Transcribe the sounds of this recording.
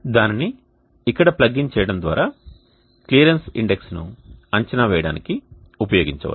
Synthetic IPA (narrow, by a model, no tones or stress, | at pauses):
d̪aːnini | ikːɐɽɐplɐɡːiɲt͡ʃɛːjɐɽɐnd̪ʋa̰ːɾaː | klijɐɾensḭɳɖeksnuɐɲt͡ʃɐnaʋɛːjɐɽa̰ːniki | upɐjoːɡiɲt͡ʃɐʋa̰ːlu